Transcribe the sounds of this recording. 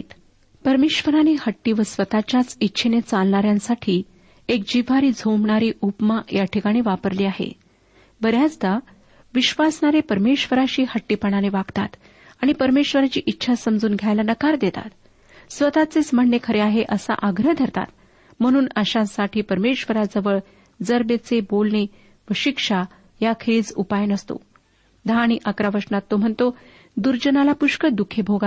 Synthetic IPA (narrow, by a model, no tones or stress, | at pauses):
t̪ | pəɾmeɕʋəɾanehəʈːiːʋəsʋət̪at͡ɕjat͡sitːɕʰenet͡salɳaɾjãnsaʈʰiː | ek̚d͡ʑiʋʱaɾiːd͡zʱomɳaɾiːʔupmajaʈʰikaɽ̃iʋapəɾliːaɦḛ | bəɾjat͡sd̪a | ʋiɕʋasɳaɾepəɾmeɕʋəɾaɕiːhəʈːipəɽ̃aneʋaɡt̪at̪ | aɽ̃ipəɾmeɕʋəɾat͡ɕiːʔitːɕʰasəmd͡zuːnɡʱjajlanəkaɾd̪et̪a̰t̪ | sʋət̪at͡sesməɳnekʰəɾeaɦeʔəsa̰ʔəɡɾəɦd̪ʱəɾt̪a̰t̪ | m̤əɽ̃uːnəɕãsaʈʰiːpəɾmeɕʋəɾad͡zəʋəɭ | d͡zəɾbet͡sebolɳe | ʋəɕikʂa | jakʰet͡supajnəst̪o̰ | d̪ʱaːɽ̃iʔəkɾaʋəʂnat̪ːom̤əɳt̪o | d̪uɾd͡ʑənalapuʂkəd̪ukʰebʱoɡa